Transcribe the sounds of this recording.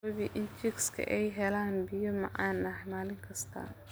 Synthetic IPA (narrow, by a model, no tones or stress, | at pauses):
ɐβiʔɪnt͡ʃɪkskʰɐ̰ʔɛjɦɛlaːnbɪjɔmɑ̰ʕaːnːɐħmaːlɪŋkʰɐst̪ʰa̰ː